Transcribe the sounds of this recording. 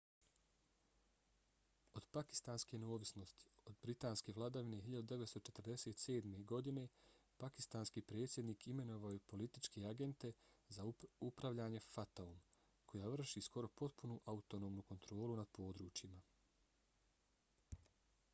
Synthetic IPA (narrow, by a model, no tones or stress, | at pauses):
o̞d̪̥paki̥st̪aːnske̞neo̞ːʋisno̞st̪i̥o̞d̪bɾit̪aːnske̞ʋlˠad̪aʋine̞ɦiʎad̪ud̪e̞ʋe̞t̪st̪ot͡ʃe̞t̪ərd̪e̞se̞ːt̪se̞ːd̪me̞ɡo̞d̪ine̞paki̥st̪aːnskiːpɾe̞ːt̪sʲje̞d̪niːkʰime̞no̞ʋaojepo̞lit̪it͡ʃkeaɡe̞nt̪e̞zaupɾaʋʎaːɲe̞fat̪aum | kʰo̞jaːʋr̩ʃisko̞ɾo̞po̞t̪punuʔaut̪ono̞ːmnuko̞nt̪ɾo̞ːlunad̪̚po̞ːd̪ɾuːt͡ʃjima